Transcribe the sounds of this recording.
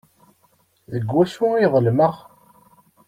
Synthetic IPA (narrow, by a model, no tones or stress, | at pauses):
ðəɡːæsuiðˤəlməʁ